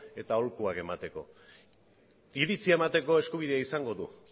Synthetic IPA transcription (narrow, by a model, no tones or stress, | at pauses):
e̞t̪ao̞lkuakemat̪e̞ko̞̰ | d̪iɾit͡siaemat̪e̞ko̞e̞skuβ̞iðeaisaŋɡo̞ðṵ